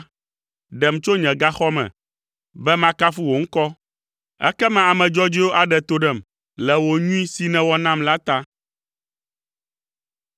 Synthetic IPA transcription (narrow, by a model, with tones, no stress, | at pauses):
ɖɛ˨m˨t͡ʃo˦ɲɛ̃˨ɡa˦xɔ˦mɛ̰̃˨ | bɛ˦mã˦ka˦fu˦wo˨ŋ̩˦kɔ˦ | ɛ̰˦kɛ˦mã˦a˨mɛ̃˨d͡ʒɔ˦d͡ʒi˦o˦ʔa˨ɖɛ˨t̪o˨ɖɛ˨m | lɛ˨wo˨ɲũ˦ĩ˦si˨nɛ̃˨wɔ˦nã˦mla˦t̪a˦